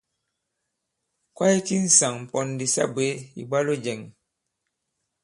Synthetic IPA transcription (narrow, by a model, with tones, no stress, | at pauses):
kwa˦i˦ki˦n̩˨sa˨ŋm̩˨pɔ˨n˨di˨sa̰˦bwe˨˦ḭ˨ba˦lo˦d͡ʒɛ˨ŋ